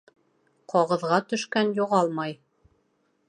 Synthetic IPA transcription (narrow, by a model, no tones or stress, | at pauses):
qʰɒʁɤ̆ðʁɑt̪ɵ̆ʃkænjŏʁɑlˠmɑj